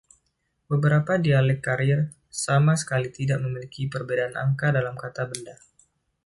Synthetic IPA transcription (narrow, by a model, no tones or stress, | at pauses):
bəbəɾapadialɛkːaɾir | samasə̥kalit̪idaʔ̚məmilikipərbedaana̰ŋkadalamkat̪abənda